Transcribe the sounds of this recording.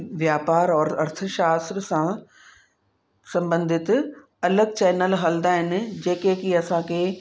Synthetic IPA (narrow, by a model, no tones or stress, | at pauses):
ʋjaːpaːɾɔːɐɾt̪ʰəʃaːst̪ɾsã | sɐ̃mbə̃nd̪ʱɪt̪ | ɐləɡ̚t͡ɕɛːnəlɦɐld̪aːɦɪnɪ̆d͡ʑeːkeːkiɐsãkʰeː